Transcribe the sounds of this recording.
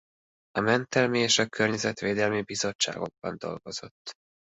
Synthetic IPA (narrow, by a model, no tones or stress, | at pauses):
ɒmɛnt̪ɛlmieːʃɒkʰørɲɛzɛt̪ʋeːd̪ɛlmibizo̞t͡ʃt͡ʃːa̰ːɡo̞ɡ̚bɒ̰nd̪o̞̰lɡo̞z̥o̞̰t̪ː